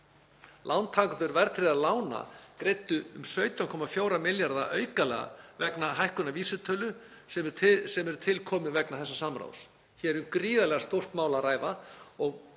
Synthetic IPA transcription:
lʔawnt̪ʰaːk̪ʏɾvɛɾt̪ʰɾɪðaðlaːwna̰kɾejt̪ʏʏmsvœɥt̪awnkʰɔmafjoːwɾamɪljaɾða̰ʔœːɥkalɛɣa̰vɛknaɦajhkʏnaviːsʏt̪ʰœːlʏ | sɛsɛmɛɾʏt̪ʰɪlkʰɔːmɪðvɛknaθɛsːasamɾa̰ws | çɛɾʏmkɾiːðalɛɣast̪owr̥t̪maːwlaɾaːjvaɔɣ

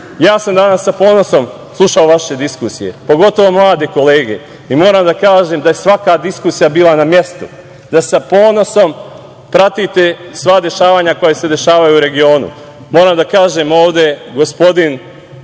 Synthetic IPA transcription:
jaːsamd̪anasːapo̞ːno̞so̞m | slˠuʃaoʋaʃe̞d̪iskusije̞̰po̞ɡo̞t̪o̞ʋo̞mlˠaːd̪eko̞le̞ːɡe̞ | imo̞ːɾaːmd̪akaːʒe̞md̪ajesʋakad̪iskuːsijabiːlˠanamje̞st̪u | d̪asapo̞ːno̞so̞m | pɾat̪it̪e̞sʋaːd̪e̞ʃaːʋaːɲako̞jese̞d̪e̞ʃaːʋajuːɾe̞ɡio̞ːnṵ | moːɾaːmd̪akaːʒe̞mo̞ːʋd̪e̞ɡo̞spo̞d̪in

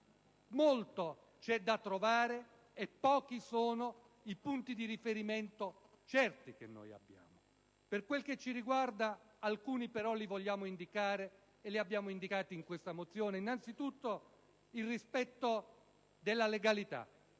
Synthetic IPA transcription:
molt̪o | t͡ʃɛd̪ːat̪ːɾovaːɾe | epːɔːkisoːno | ipunt̪id̪iɾifeɾiment̪o | t͡ʃɛrt̪ik̟ḛnːo̰ja̰bːja̰ːmo | perkwelk̟et͡ʃːiɾiɡward̪a | alkuːnipeɾɔlivoʎːaːmoind̪ikaːɾeː | liabːjaːmoind̪ikaːt̪iiŋkwest̪amot̪sːjoːneinːant̪sit̪ut̪ːo | ilrispɛt̪ːo | d̪elːaleɡalit̪a̰

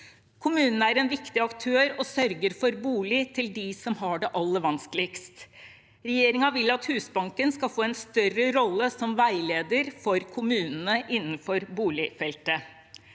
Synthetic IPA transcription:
kʰʊmʉːnnəæɾɛnʋɪkt̪ɪɑkt̪ʰøːɾɔsœɾɡəɾfɔɾbuːlɪt̪ʰɪld̪ɪsɔmɦɑɖɛʔɑlːəʋɑnskəlɪkst̪ | ɾɛjeːɾɪŋɑʋɪlːɑt̪hʉːsbɑŋkənskɑfoːɛnst̪œɾəɾɔlːəsɔmʋæɪleːd̪əɾfɔɾkʰʊmʉːnn̩əʔɪnːn̩fɔɾbuːlɪfɛlt̪ə

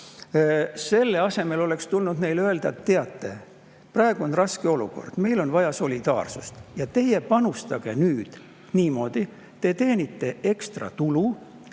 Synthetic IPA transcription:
se̞lːe̞ɑse̞me̞lo̞le̞kst̪ulnud̪ne̞jlø̞e̞ld̪̥ɑet̪ːeɑt̪ːe̞ | prɑeɡ̥uo̞nrɑskeo̞lṵko̞̰rd̪̥me̞jlo̞nvɑjɑso̞lʲid̪̥ɑ̰ːrsust̪jɑt̪e̞jepɑnust̪ɑɡ̥e̞nyːd̪̥ | niːmo̞ːd̪̥i | t̪e̞t̪e̞ːnit̪ːe̞e̞kst̪rɑ̰t̪ulu

